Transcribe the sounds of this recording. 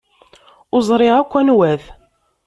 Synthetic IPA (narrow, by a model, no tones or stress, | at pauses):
ʊzˤɾˤɪʁækʷːænwæθ